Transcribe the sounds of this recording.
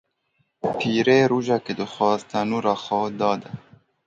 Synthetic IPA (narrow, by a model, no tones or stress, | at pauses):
pʰiːɾeːɾuːʒɑked̪ɨxwɑːzt̪anuːɾɑːxɑːd̪ɑːd̪a